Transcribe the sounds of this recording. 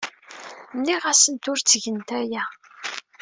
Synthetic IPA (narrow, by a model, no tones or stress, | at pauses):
nːiʁæsənt̪ʊɾt͡sːəʝənt̪æjæ